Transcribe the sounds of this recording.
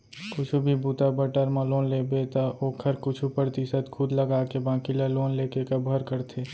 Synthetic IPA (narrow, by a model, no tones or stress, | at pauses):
kʊt͡ʃʰubʱibuːt̪abəʈəɾmãloːnlebet̪aʔoːkʰəɾkʊt͡ʃʰupɾɾt̪ɪʃət̪kʰʊd̪ləɡaːkebãːkilaloːnleːkekabʱəɾkəɾt̪ʰeː